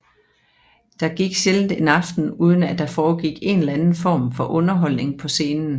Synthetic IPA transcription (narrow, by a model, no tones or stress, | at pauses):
d̥ɑ̈ɡ̥iɡ̥ɕeln̩d̥e̝nɑ̈fd̥n̩uːð̞ˠn̩æd̥ɑ̈fɒːɡ̥iɡ̥e̝nelænn̩fɒ̰ːmfɒ̽ʔɔ̽nɐɦɒ̽l̰ne̝ŋpʰɒ̽se̝ːnn̩